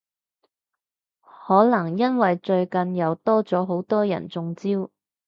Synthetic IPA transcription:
hɔː˨˥lɐ˨˩ŋjɐ˥nwɐ˨jt͡ʃɵ˧ɥkɐ˨njɐ˨˧wt̪ɔː˥t͡sɔː˨˥ɦo˨˥wt̪ɔː˥jɐ̰˨˩nt͡sʊ˧ŋt͡siː˥w

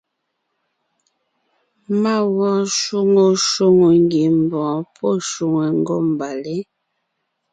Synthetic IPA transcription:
ma˦˨wɔ̃˦˨ʃu˦ŋo˨ʃo˦ŋo˨ŋɡe˨m˨bɔ̃ː˨pʰɔ˦ʃu˨ŋɛ˨ŋ˦ɡɔ˦˨m˨ba˨le˦

